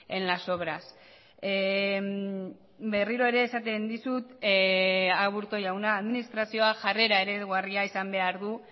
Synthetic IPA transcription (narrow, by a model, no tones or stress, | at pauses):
e̞nlaso̞βɾas | be̞riɾo̞e̞ɾe̞ːsat̪e̞nd̪isut̪ | aβuɾt̪o̞jawnaːðminist̪ɾasio̞aʝare̞ɾae̞ɾe̞ɣariaisambe̞aɾðu